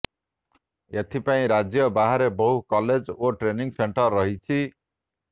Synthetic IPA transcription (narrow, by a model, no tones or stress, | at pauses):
et̪ʰipaĩɾad͡zjʌbaɦaɾebɔɦukɔled͡zoʈɾeniŋseɳʈʌrːʌɦit͡ʃʰi